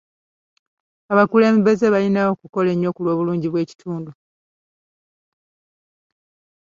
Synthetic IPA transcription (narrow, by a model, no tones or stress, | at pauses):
aβakule̞ːmbe̞ze̞βalinawo̞kuko̞le̞ɲːo̞kulwo̞ːβuluːɲɟiβwe̞ːci̥tʰuːndu